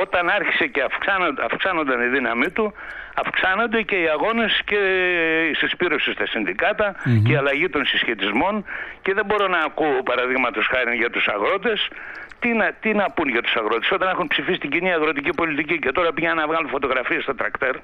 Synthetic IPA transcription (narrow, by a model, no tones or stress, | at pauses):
o̞t̪ɐnɐɾçi̥se̞ceɐfksɐnoɐfksɐno̞nd̪ɐniðinɐmit̪uɐfksɐno̞nd̪e̞ce̞iɐɣo̞ne̞sce̞isispiɾo̞sist̪ɐsinðikɐt̪ɐceiɐlɐʝit̪o̞nsisçet̪izmo̞nce̞ðembo̞ɾo̞nɐːkuopɐɾɐðiɣmɐt̪o̞sxɐɾinʝɐt̪usɐɣɾo̞t̪̬e̞st̪inɐt̪inɐpunʝɐt̪u̥sɐɣɾo̞t̪e̞so̞t̪ɐne̞xunpsifisit̪iɲɟiniɐɣɾo̞t̪icipo̞lit̪icice̞t̪o̞ɾɐpiʝɐnnɐvɣɐlunfo̞t̪oɣɾɐfiest̪ot̪ɾɐkt̪e̞ɾ